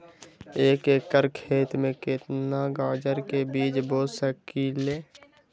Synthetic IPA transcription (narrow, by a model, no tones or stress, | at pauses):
eːkeːkəɾkʰeːt̪mẽkɪt̪naɡaːd͡ʒəɾkebiːt͡ʃboːsəkiːleː